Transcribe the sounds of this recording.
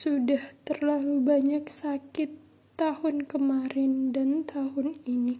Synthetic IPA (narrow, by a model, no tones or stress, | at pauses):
sudaht̪ərlalubaɲaksakɪt̪ː | ahʊnkəmaɾɪndant̪ʰaɦʊnini